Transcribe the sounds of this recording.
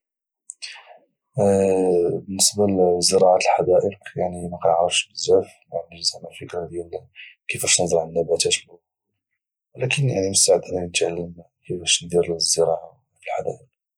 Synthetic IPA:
bənːəsbazːəɾˤɑʕat̪əlħad̪æʔəqjaʕnimæqɑnəʕɾˤɑfʃbəzæfmanʒəzæmæfəkɾhd̪jælkəfæʃnəd̪ˤɑlʕanːæbæt̪æt̪bə | lækənjaʕnimʊst̪aʕəd̪nanət̪ʕalːəm | kəfæʃnd̪iɾzːəɾˤɑʕa | fəlħad̪æ̰ʔəq̚

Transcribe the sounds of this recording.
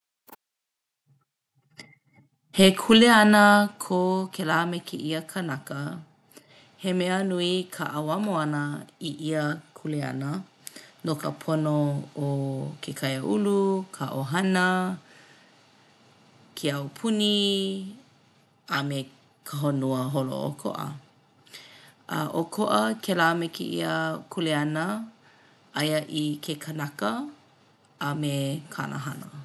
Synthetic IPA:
hekʰuleɐnəkʰokʰelamekʰeʔiəkʰɐnakə | hemeənuikʰaʔawamoanəiʔiəkʰulea̰nə | nokə̰pʰonookʰekʰajəʔulukʰaʔoɦɐnə | kʰeawpʰuni | ame | kʰəɦonuəɦolo̰ʔo̰kʰo̰ʔə̰ | ɐ̰ʔokʰoʔəkʰelaːmɛkʰḛʔḭəkʰuleɐnə | ʔɐjəʔikʰekʰənakəː | mekʰa̰nʔa̰ɦanə

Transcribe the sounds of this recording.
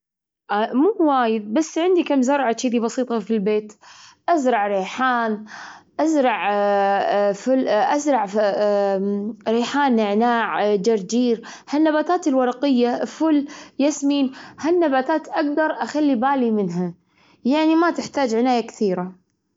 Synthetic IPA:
ʔmuːwaːjɪd̪̚basːʕɪnd̪ikamzɑɾˤʕat͡ʃiːd̪ibɑsiːt̪ˤɑfilbeːt̪ʔazɾˤɑʕɾeːħaːnʔazɾˤɑʕ | fʊlʔazɾˤɑʕ | ɾeːħaːnɪʕnaːʕd͡ʒɑɾˤd͡ʒiːɾ | hanːabaːt̪aːt̪ɪlwɑɾˤɑqɪjːafʊljasmiːnhanːabaːt̪aːt̪ʔaɡ̚d̪ɑɾˤʔaxalːibaːlimɪnɦa | jaʕnimat̪ɪħt̪aːd͡ʒʕɪnaːjakθiːɾa

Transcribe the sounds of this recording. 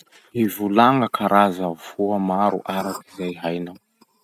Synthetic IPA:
hivulaŋəkʰaɾʔazavuamaɾṵʔaɾat̪i̥zajɦajnaw

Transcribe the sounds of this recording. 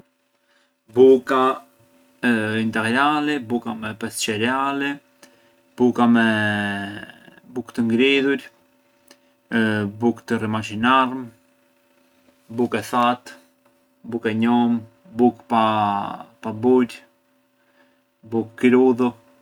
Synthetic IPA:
buka | int̪ɛɡɾalɛbukamɛpɛst͡ʃɛɾɛalɛ | b̥ukamɛ | bukt̪əŋɡɾiðuɾ | bukt̪ərimat͡ʃinarm | bukɛθat̪ | bukɛɲɔm | bukpa | pabuɾ | bukːɾuðu

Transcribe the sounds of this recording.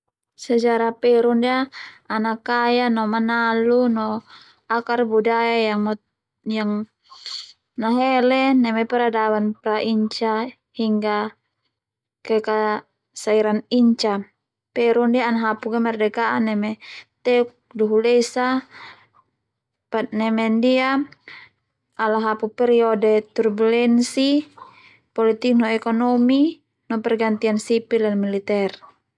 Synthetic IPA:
sad͡ʒaɾapɛɾundiaːnakajanɔmanalunɔ | akarbudajajaŋm | jaŋ | naɦɛlɛnɛmɛpɛɾadawanpɾaʔiɲt͡ʃa | hiŋɡa | kɛka | saiɾaniɲt͡ʃa | pɛɾundiaanaɦapuɡɛmɛrdɛkaʔanɛmɛt̪ɛuk̚duɦulɛsa | pat̪̚nɛmɛndia | alaɦapupɛɾiɔdɛt̪urbulɛnsi | pɔlit̪ik̚nɔɛkɔnɔmi | nɔpɛrɡant̪iansipilanmilit̪ɛr

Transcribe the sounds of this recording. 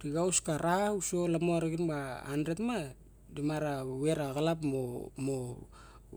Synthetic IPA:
ɾiɡawskaɾaauso̞lamoaɾaɡinbaandɾetma | dimaɾawe̞ɾaɣalapmomo

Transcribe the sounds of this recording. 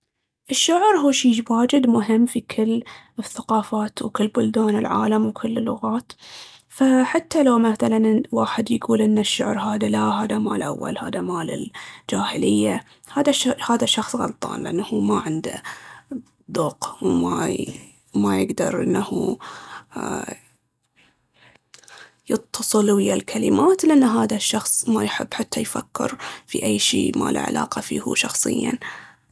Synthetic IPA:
ʔɪʃːʊʕɾɦuːʃiːwaːd͡ʒɪd̪mʊɦɪmːfikʰɪlːɪθːaqɑːfaːt̪wkɪlːbʊld̪aːnɪlʕa̰ːlamwkʰɪlːɪlːʊɣaːt̪ | faħat̪ːalawmaθalanwaːħɪd̪jɡuːlʔɪnːaʃːʊʕɾɦaːðalaɦaːðamaːlʔa̰wːa̰lha̰ːðamaːlɪ̰ld͡ʒaːhɪlɪjːa | haːðahaːðaʃɑxsˤɣɑ̰lt̪ˤɑ̰ːnlɪʔanːhuːmaʕɪnd̪a̰ | d̪ˤoːqwma | majɪɡd̪ɑɾˤʔɪnːahu | jɨt̪ːɑsˤɨlwɪjalkʰalɪmaːt̪lɪʔanːɦaːðaʃːɑxsˤmajħɪbːħat̪ʰːajfakːɪ̰ɾfiʔajːʃiːma̰ːlʔa̰ʕa̰lʔaːqɑfiːhṵʃɑxsˤɨ̰jːan

